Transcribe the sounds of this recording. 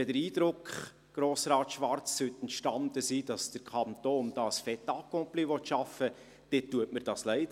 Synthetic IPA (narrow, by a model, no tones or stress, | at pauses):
ɛdəɾiːd̥ɾʊkχ | ɡ̥ɾoːsɾɑːt̪ʃʋɑɾt͡sːøt̪ɛntʃtɑnd̥̪əsiːd̥ɑsd̥əɾkʰɑnt̪oːnd̥ɑːəsfɛt̪ɑkːopliʋɔt̪ʃɑfə | d̥ɪtːuətmərd̥ɑːslɛɪd